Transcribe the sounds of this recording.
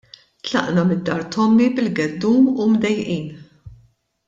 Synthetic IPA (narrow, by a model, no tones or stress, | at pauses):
t̪lɐ̰ʔnɐmɪd̪ːɐːɾt̪ɔmːibɪlɡɛd̪ːuːmumd̪ɛjʔiːn